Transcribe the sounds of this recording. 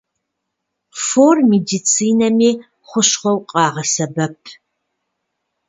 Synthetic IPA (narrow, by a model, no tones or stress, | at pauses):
foːrmidit͡sʰiːnɐmiː | χʷʊɕχʷɔwqʼɑːʁɐsɐbɐpʰ